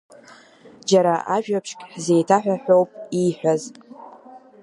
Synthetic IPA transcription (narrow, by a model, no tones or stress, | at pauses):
d͡ʒaɾaʔaʒᶣapʰʂkʲʼħze̞jtʰaħʷᶣaħʷo̞wpʼiħʷaz